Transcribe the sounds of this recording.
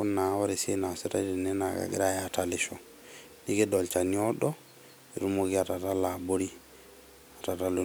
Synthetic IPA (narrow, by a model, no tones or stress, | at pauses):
unawɔɾisinasita̰dinɛnaɡa̰ɡḭɾajataliʃɔ | niɡɛdɔlt͡ʃaniɔɗɔ | iɾumoɡiatatalaboɾi | atatalu